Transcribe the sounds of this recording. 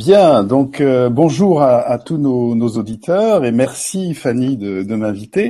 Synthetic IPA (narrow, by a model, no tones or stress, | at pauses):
bjɛ̃d̪ɔ̃købɔ̃ʒuʁaat̪unonozod̪it̪ʰœʁemɛʁsifanid̪əd̪əmɛ̃vit̪e